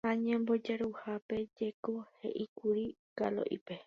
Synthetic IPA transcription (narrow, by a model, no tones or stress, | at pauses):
haɲẽmbo̞d͡ʒaɾuhape̞d͡ʒe̞ko̞he̞̰ʔikuɾiɡalo̰ʔipe̞